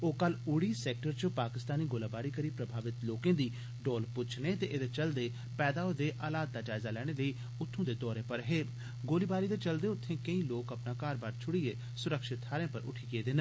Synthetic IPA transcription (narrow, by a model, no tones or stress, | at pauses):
oːkəlʊɽiːsɛːk̚ʈəɾt͡ʃopaːkɪst̪aːniːɡoːlaːbaːɾiːkəɾiːpɾəbʱaːʋɪt̪loːkẽːd̪iː | ɖoːlpʊt͡ʃʰneːt̪eːʔɪd̪eːt͡ʃəld̪eː | pɛːd̪aːoːd̪eːʔaːlaːd̪̚ːaːd͡ʒaːɪzaːlɛːɽ̃eːləiː | ʊt̪ʰːõːd̪eːd̪ɔːɾẽːpəɾɦeː | ɡoːliːbaːɾiːd̪eːt͡ʃəld̪eːʊt̪ʰːẽːkəĩːloːkəpnaːkaːɾbaːɖt͡ʃʰʊɽieː | sʊɾəkʃɪt̪ʰːaːɾẽːpə̰ɾʊ̰ʈʰiːkeːd̪ɪn